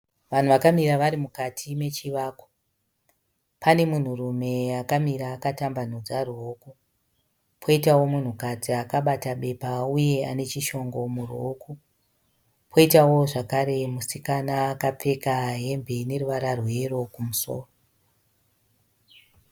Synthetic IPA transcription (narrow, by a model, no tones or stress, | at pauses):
ʋan̤uʋakamiɾaʋaɾimukatʰime̞t͡ʃiʋaːko̥ | pane̞mun̤urume̞akamiɾaːkatamban̤od͡zaroːku | pʰo̞itawo̞mun̤ukatiakaɓataɓe̞pauje̞ane̞t͡ʃiʃo̞ŋɡo̞muroku | pʰo̞itawo̞ʐakaɾe̞musikanaːkap͡fe̞kaɦe̞mbene̞ruʋaɾarwe̞ro̞kumuso̰ːro